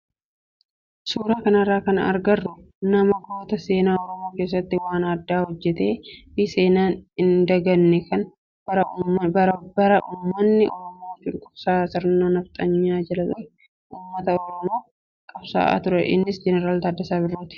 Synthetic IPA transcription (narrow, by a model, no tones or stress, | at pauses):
suːɾaːkɐnɐrːaːkɐnɐɐ̰ɾɡɐrːʊ | nɐmɐɡoːt̪ɐse̞ːnaːɔɾɔmoːke̞ːs̬ːɐt̪ːɪwaːnɐd̪ːaːhɔd͡ʒːɛt̪e̞ːbɪse̞ːnaːnɪnd̪ɐɡɐnːɛkɐn | ɐɾbɐbɐɾɐʔuːmːɐnːɪʔɔ̰ɾɔmoːfɪŋkʼʊbsaːsɪɾnːoːnɐft̪ʼɐɲːaːd͡ʒɐlɐlɐ | ʔuːmːɐt̪ɐɔɾɔmoː | kʼɐbsa̰ːʔa̰ːt̪ʊɾɛ̰ʔɪ̰nːɪsd͡ʒɛnɛɾaːlt̪ɐd̪ːɐsaːbɪrːoːt̪ɪ̥